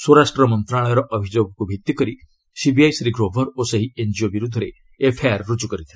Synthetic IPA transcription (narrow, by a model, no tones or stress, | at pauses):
swoɾasʈɾɔɔmɔnt̪ɾaɭ̃ɔjɔɾɔʔɔbʱid͡ʒoɡɔkubʱit̪ːikɔɾi | sibiajsɾiɡɾobʱɔɾoseɦiend͡ʒiobiɾud̪ʱɔɾe | epʰeaɾːud͡ʒukɔɾit̪ʰilɔ